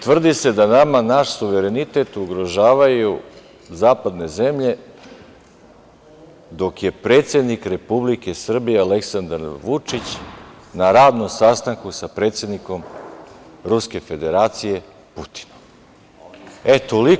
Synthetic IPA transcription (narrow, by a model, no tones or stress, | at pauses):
t̪vr̩d̪ise̞d̪anamanaʃsuʋe̞ɾe̞nit̪e̞t̪uɡɾo̞ʒaːʋaju | zaːpad̪ne̞ze̞mʎe̞ | d̪o̞kje̞pɾe̞ːt̪sʲe̞d̪nikɾe̞publike̞sr̩bijeale̞ksand̪aɾʋut͡ʂit͡ɕ | naɾaːd̪no̞msast̪aŋkusapɾe̞t̪sje̞d̪niko̞m | ɾuske̞fe̞d̪eɾaːt̪sije̞ | put̪i̥nom | e̞t̪oli